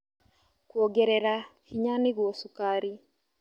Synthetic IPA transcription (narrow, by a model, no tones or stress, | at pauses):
kuɔɡɛɾɛɾakiɲaniɣwɔsukaɾi